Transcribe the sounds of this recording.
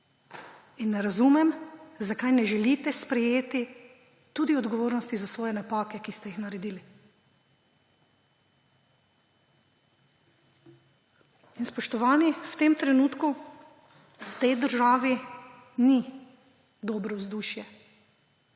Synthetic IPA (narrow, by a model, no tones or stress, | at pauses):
inːɛɾazumɛmzakajnɛʒɛlit̪ɛspɾɛjeːt̪i | t̪uːd̪iɔd̪ɡɔʋoːɾnɔst̪izasʋɔːjɛnapaːkɛkist̪ɛjixnaɾɛd̪iːli | inspɔʃt̪ɔʋaːniwt̪emt̪ɾɛnuːt̪ku | wt̪ɛjd̪əɾʒaːʋi | ni | d̪ɔːbɾɔwzd̪uːʃjɛ